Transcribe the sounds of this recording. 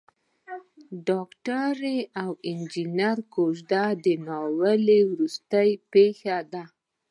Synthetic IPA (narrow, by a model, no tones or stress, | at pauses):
ɖɑkʈaɾeawɪnd͡ʒinaɾkoʒd̪ad̪ənɑwəlewɾust̪əjpexad̪a